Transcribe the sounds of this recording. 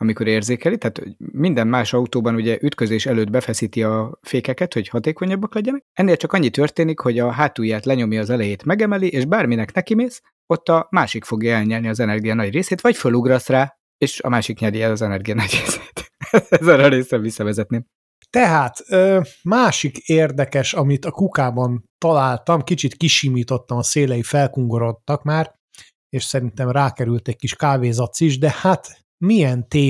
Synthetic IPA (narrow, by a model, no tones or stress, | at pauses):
ɒmiko̞ɾeːrzeːkɛlit̪ɛaːt̪ho̰mind̪ɛmmaːʃɒut̪oːbɒnuɟɛʔyt̪kø̞zeːʃɛløːd̪̚bɛfɛsiːt̪iɒfeːkɛkɛt̪ho̞ɟhɒt̪eːko̞ɲɒbːɒklɛɟɛnɛk̚ɛnːeːlt͡ʃɒkɒɲːit̪ørt̪eːnikho̞ɟɒɦaːt̪ujːaːt̪lɛɲo̞mjiːzɛlɛjeːt̪mɛɡɛmɛliʔeːʒbaːrminɛknɛkimeːs | o̞t̪ːɒmaːʃikfo̞ɡjɒɛlɲɛlniɒzɛnɛrɡijɒnɒɟreːseːt̪ʋɒcføluɡɾɒsraː | eːʃɒ̰maːʃikɲɛɾiɛzɒzɛnɛrɡijɒnɒɟreːse̥ːt̪ɛzːɛɾɛɾeːsrɛvisːɒvɛzɛt̪neːm | t̪ɛɦaːt̪øːmaːʃikeːrd̪ɛkɛʃɒmit̪ɒkukaːbɒnt̪ɒlaːlt̪ɒmkit͡ʃit̪kiʃiːmiːt̪ot̪ːɒmɒseːlɛjifɛlkuŋɡo̞ɾo̞t̪ːɒkmaːr | eːʃsɛɾint̪ɛmraːkɛɾylt̪ɛc̚kiʃkaːveːzɒt̪siʒd̪ɛhat̪ | mijɛnt̪eː